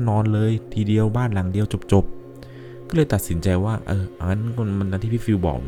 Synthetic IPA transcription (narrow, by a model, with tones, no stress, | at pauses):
nɔː˧nlɤː˧jt̪ʰiː˧di˧əwbaː˥˩nla˨˩˦ŋdi˧əwt͡ɕo˨˩p̚t͡ɕo˨˩p̚ | kɔː˥˩lɤː˧jt̪a˨t̪̚si˩˦nt͡ɕa˧jwaː˥˩ʔaː˧˩ʔa˧ŋa˦˥nkma˧na˧t̪ʰiː˥˩pʰiː˦˥˩fiː˧wbɔ̰ː˨˩k̚